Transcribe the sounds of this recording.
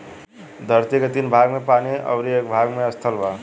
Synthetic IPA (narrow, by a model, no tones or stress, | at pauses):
d̪ʱʌɾt̪ikat̪inbʱaɡmepaniʔʌ̰wɾiekbʱaɡmeʌst̪ʰʌlba